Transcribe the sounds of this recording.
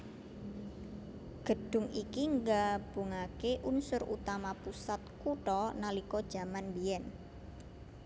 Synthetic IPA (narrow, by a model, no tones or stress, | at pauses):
ɡ̥ə̤ɖ̥ʊ̤ŋikiŋɡab̥uŋakeʔunsʊrṵt̪amapusat̪̚kuʈɔnalikɔd̥ʒ̥a̤manbiɛn